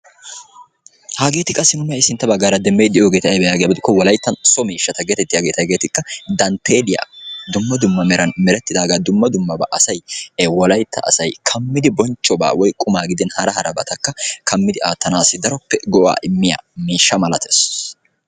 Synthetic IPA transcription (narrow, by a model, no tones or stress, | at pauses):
haːɡe̞ːt̪ɪkʼɐsːɪnʊmɛjɐɪsɪnt̪ːɐbɐɡaːɾɐd̪ɛmːejd̪ɪʔjoːɡeːt̪ɐʔjbɛjaːɡejbɪd̪ɪkːɔwɔlɐjt̪ːɐnsɔmiːʃːɐt̪ɐɡeɛt̪ɛt̪ːɪjaɡeːt̪ɐɡeːt̪ɪkːɐd̪ɐnt̪ʰeːlɪja̰ːd̪ʊmːɐd̪ʊmːɐmɛɾɐnmɛɾɛt̪ːɪd̪aːɡad̪ʊmːɐd̪ʊmːɐba̰ʔɐsɐjwɔlɐjt̪ːɐ̰ɐ̰sɐjkʰɐmːɪd̪ɪbɔnt͡ʃʼːɔba̰ːwɔjkʼʊmaːɡɪd̪ɛnhɐɾɐɦɐɾɐbɐt̪ɐkːɐkʰɐmːɪd̪ɪaːt̪ːɐnaːsɪd̪ɐɾɔpːɛɡɔʔa̰ːʔɪmːɪja̰ːmiːʃːɐmɐlɐt̪ʰes